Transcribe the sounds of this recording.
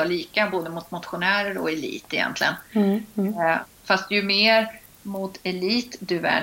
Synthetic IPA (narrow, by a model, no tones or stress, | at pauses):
ɑɭiːkaboːd̪əmʊt̪mʊt̪ɧʊnæːɾəɾɔ̰ɛlḭːt̪ːɪjɛ̰nt̪ʰlɪɡən | fast̪jɵmeːɾ | mʊt̪ɛliːt̪d̪ɵæ̰